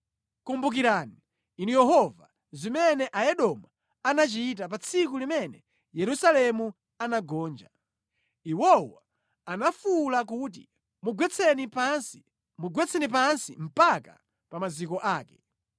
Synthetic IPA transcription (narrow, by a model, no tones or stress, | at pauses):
kumbuk̬iɾaːni | inujɛɦɔva̰ | zimɛnɛʔajɛɗɔma | anat͡ʃiit̬ap̬at͡sʰik̬ulimɛnɛ | jɛɾusalɛmu | anaɡɔːnd͡ʒa | iwɔwa | anafulak̬uːt̬i | muɡwɛt͡sʰɛnipansi | muɡwɛt͡sʰɛnip̬ansim̩paka̰ | pamazikɔʔaːkɛ̥